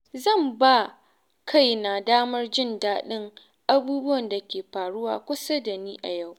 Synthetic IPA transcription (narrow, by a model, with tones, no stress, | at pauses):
zɐ˦˨mba˦˨ | kʰa˦˨jna˨daː˦mɐ˦rd͡ʒɪ˦˨ndaː˦ɗɪ˦ŋ | ʔa˦buː˦bʊ˦wɐ˨nda˨kʲeː˨ɸaː˨ɽʊ˦waː˨kʷʊ˦sa˦da˨niː˦ʔa˨ja˦˨w